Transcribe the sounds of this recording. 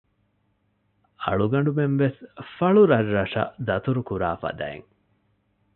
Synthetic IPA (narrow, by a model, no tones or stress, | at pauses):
ɐ̰ɭuɡɐɳɖumenʋesfɐɭuɾɐrːɐʂɐ̰d̪ɐt̪uɾukuɾaːfɐ̰d̪ɐ̰ḛŋ